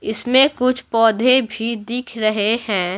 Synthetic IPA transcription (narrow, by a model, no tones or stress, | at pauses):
ɪsmẽkʊt͡ʃʰpɔːd̪ʱebʱid̪iːkʰɾɐɦehɛ̃ː